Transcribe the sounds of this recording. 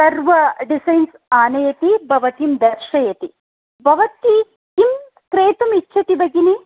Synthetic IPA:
sɐɾʋɐɖisɐjns | aːnɐjɐt̪ibʱɐʋɐt̪imd̪ɐɾʃɐjɐt̪i | bʱɐʋɐt̪i | kim | kɾeːt̪ɐmit͡ʃːʃʰɐt̪ibɐɡini

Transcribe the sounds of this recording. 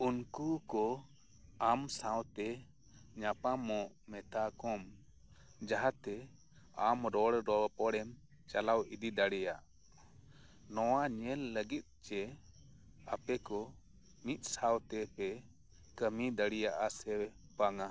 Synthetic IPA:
unkukɔ | amsãwt̪ɛ | ɲapamɔʔ | mɛt̪ʰakɔm | d͡ʒaɦat̪ɛ | amɾɔɽɾɔpɔɽɛm | t͡ʃalawid̪id̪aɽɛjaʔ | nɔwaɲɛlːəɡit̪̚t͡ʃɛ | apɛkɔ | mit̪̚ˀsawt̪ɛpɛ | kəmid̪aɽijaʔasɛ | paŋa

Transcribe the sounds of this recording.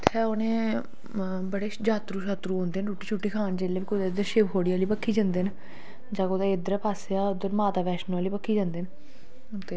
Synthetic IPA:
t̪ʰɛːonẽː | bəɽeːd͡ʒaːt̪ɾuːʃaːt̪ɾuːɦõːnd̪eːnʈuːʈːiːt͡ʃʰuːʈːiːkʰaːnd͡ʒeːleːʋiːkʊd̪aːɪd̪əɾʃɪʋkoːɽiːaːliːpəkʰːiːd͡ʒãːnd̪eːn | d͡ʒãːkod̪eːɪd̪əɾpaːseaːʊd̪əɾmaːt̪aːʋɛːʃnaːliːpəkʰːiːd͡ʒãːnd̪eːn | t̪eː

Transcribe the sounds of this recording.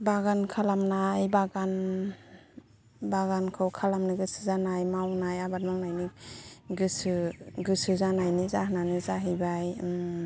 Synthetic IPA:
baɡankʰalamnajbaɡan | baɡankʰɯwkʰalamnɯɡɯsɯzanajmawnajabat̚mawnajniɡɯsɯɡɯsɯzanajnizaɦnanɯzaɦɯjbajm

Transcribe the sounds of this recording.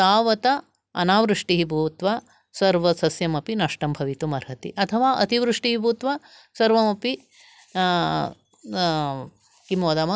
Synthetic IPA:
t̪aːʋɐt̪ɐ | ɐ̰naːʋɾuʂʈiɦibʱuːt̪ʋaː | sɐɾʋɐsɐsjɐmɐpinɐʂʈɐmbʱɐʋit̪umɐɾɦɐt̪ḭʔɐt̪ʰɐʋaːʔɐt̪iʋɾuʂʈiɦibʱuːt̪ʋaː | sɐɾʋɐmɐpi | kimoːd̪aːmɐ

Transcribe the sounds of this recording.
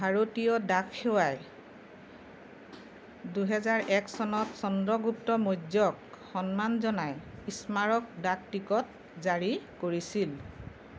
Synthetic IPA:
bʱaɹotijɔdakʰxewaj | duɦɛzaɹʔɛksɔnɔtsɔndɹɔɡup̚tɔmodjɔk | xɔnmanzɔnajismaɹɔk̚dak̚tikɔt̚ | zaɹikoɹisil

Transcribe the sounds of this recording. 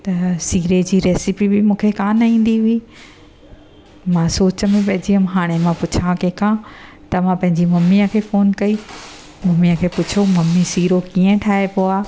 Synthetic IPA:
t̪ɐsiːɾed͡ʑiːɾeːsɪpibɪmũːkʰekãːnaĩːn̆d̪iɦʊi | mãsoːt͡ɕəmĩpɐ̃ɦɪ̃d͡ʑiəmɦaːɽ̃emãpʊt͡ɕʰãkekʰãː | t̪ɐmãpɐ̃ɦɪ̃ɲd͡ʑimɐmijəkʰeːfoːnkɐi | mɐmijə̃kʰeːpʊt͡ɕʰomɐmːisiːɾokiːə̃ʈʰaːepoaː

